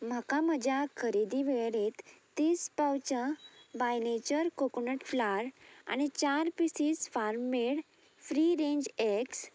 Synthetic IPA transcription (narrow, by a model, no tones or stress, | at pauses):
m̤əkaməd͡ʑʱjakʰəɾid̪iʋeɭɽet̪ː | iːspawt͡ɕəbajnet͡ɕəɾkoknəʈflaɾa̰ñit͡ɕaɾpisiːsfaɾmmeɽ | fɾiɾẽɲd͡ʑeks